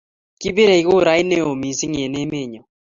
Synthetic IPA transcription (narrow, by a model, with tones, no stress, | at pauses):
ki˦be˦ɾa˨i˨ɣo˦˨ɾa˦jne˦o˨mi˨si˦ŋe˨ne˦me˦˨ɲɔ˨